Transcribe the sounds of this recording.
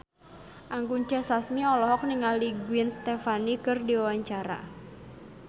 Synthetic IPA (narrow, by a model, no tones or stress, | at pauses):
ʔaŋkuɲd͡ʒasasmiɔlɔɦɔk̚niŋaliɡuɪnst̪efanikɨrdiwawaɲt͡ʃaɾa̰